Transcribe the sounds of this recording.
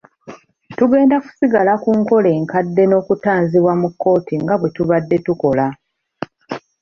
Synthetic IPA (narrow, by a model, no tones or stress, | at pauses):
tuɡe̞ːndaku̥siɡalakuːŋko̞le̞ːŋkadːe̞no̞ːkutaːnziβwamukːo̞ːtʰiŋɡaβwe̞tuβadːe̞tuko̞la